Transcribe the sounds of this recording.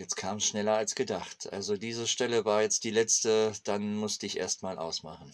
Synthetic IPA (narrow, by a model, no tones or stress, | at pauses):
jɛt͡skʰaːmsʃnɛlɐalsɡ̥ədaχtʰʔa̰lzodiːzəʃtɛləvaːɐjɛt͡st̚d̥iːlɛt͡stəd̥anmʊstəɪçʔḛːɐstmaːlʔa̰ʊsmaχn̩